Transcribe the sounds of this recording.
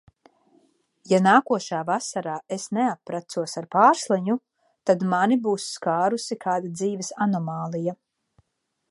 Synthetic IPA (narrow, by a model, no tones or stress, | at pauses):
janaːkuɔʃaːvasaɾaːesneapːɾat̪suɔsaɾpaːɾslˠɛɲu | t̪ad̪manibuːsːkaːɾusikʰaːd̪ad̪ziːvɛsanɔmaːlˠija